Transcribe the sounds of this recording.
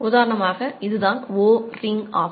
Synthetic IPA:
ʊðaːɾɐɳɐmaːɣɐɪðɯðãːnʋoːɾɪŋɡaːʋ

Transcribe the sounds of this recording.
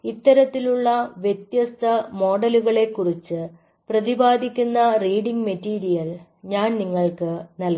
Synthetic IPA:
it̪ːɐɾɐt̪ːiluɭːɐʋjet̪jɐst̪ʰɐmo̞ːɽɐluɣɐɭe̞kːurit͡ɕːɨ | prɐðibaːd̪ʱikʲːunːɐriːɽiŋɡmetːiːɾijɐl | ɲaːnniŋːɐɭkɨnɐl

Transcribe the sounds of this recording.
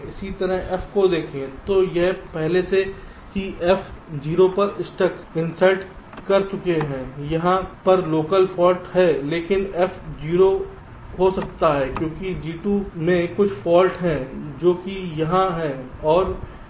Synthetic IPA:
ɪsit̪ɐɾəɦɛfkod̪eːkʰẽt̪ojeɦpɛɦlese | siʔɛfd͡ʒiːɾopɐɾɪsʈəkɪ̃nsəlʈ | kɐɾt͡ʃʊkeɦɛ̃ːjɐɦãpɐɾloːkəlfɔːlʈɦɛleːkɪnɛfd͡ʒiːɾo | ɦosɐkt̪aɦɛːkjõːkid͡ʒiːʈuːmẽkʊt͡ʃʰfɔːlʈɦɛ̃d͡ʒoːkijɐɦãɦɛ̃ɔːɾ

